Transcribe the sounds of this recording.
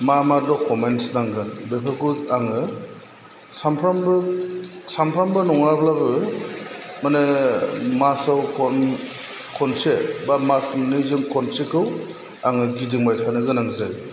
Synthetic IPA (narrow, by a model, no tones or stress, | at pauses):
mamadɔkʰɔmensnaŋɡɯnbepʰakuaŋɯ | sampʰɾambɯsampʰɾambɯnɔŋaɾbʰlabɯ | mane | masawkʰɔn | kʰɔnsebamasanɯzɯŋkʰɔnsekʰɯw | aŋɯɡidɯŋmajtʰanɯɡɯnaŋzaj